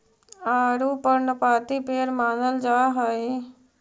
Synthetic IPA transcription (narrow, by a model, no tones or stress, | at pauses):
aːɾuːpəɾnəpaːt̪ipeːɾmaːnəld͡ʒaːɦəi